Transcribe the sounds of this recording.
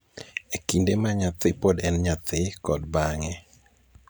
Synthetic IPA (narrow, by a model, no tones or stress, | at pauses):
ekindemaɲat̪ɪpodɛnɲat̪ɪkɔdbaŋɛ